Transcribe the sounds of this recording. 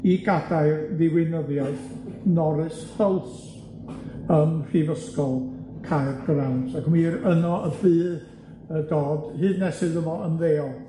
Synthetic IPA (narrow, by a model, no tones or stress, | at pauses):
iɡadajrðɪwɪnəðjɔðnɔɾɨshəlˠθ | əmr̥ivəskɔlˠkʰarɡransakʰəmiːɾənɔʔəbɨːð | ədoːdhɨːdnɛsɨðəvɔʔəmðeːɔ